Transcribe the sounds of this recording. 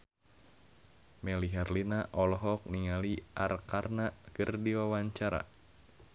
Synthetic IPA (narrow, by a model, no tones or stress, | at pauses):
mɛliɦɛrlinaʔɔlɔɦɔk̚niŋaliʔarkarnakɨrdiwawaɲt͡ʃaɾa̰